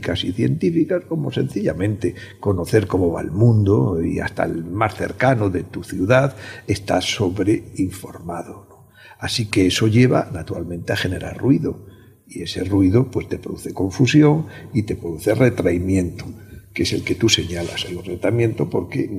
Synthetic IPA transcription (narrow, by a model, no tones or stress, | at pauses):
kasiθje̞̰nt̪ifikasko̞mo̞se̞̰n̟θiʎa̰mẽ̞nt̪e̞ | ko̞no̞θe̞ɾko̞mo̞βa̰ḛlmũnd̪oḭa̰st̪a̰elmasθe̞̰ɾkanoðe̞t̪uθjuðaðe̞st̪a̰so̞βɾeiɱfo̞ɾmaðono | asike̞eso̞ʎe̞βa̰nat̪uɾalmẽnt̪eaxe̞ne̞ɾa̰rrwiðo | ie̞se̞̰rwiðopwe̞st̪e̞pɾoðuθe̞ko̞ɱfusjo̞ŋit̪e̞pɾoðuθe̞re̞t̪ɾaimjẽ̞nt̪o̥ke̞se̞lke̞t̪use̞ɲala̰sojunret̪amjẽ̞nt̪opo̞ɾkḛ